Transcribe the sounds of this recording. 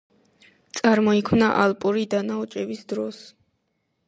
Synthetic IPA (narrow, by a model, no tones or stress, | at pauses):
t̪sʼaɾmɔikʰmnaʔalˠpʼuɾid̪anaɔt͡ʃʼɛbisd̪ɾɔs